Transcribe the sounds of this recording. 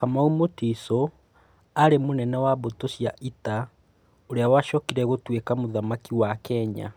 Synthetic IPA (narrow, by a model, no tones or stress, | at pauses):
kamaumotiso | aɾemonɛnɛwaβotosjaʔita | oɾeawaʃɔkiɾɛɣotwekamoðamakiwakɛɲa̰